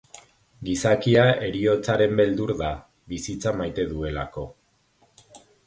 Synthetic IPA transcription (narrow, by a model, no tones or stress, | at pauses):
ɡisakiae̞ɾio̞t͡saɾe̞mbe̞ld̪uɾða | βisit͡samajt̪e̞ðue̞lako̞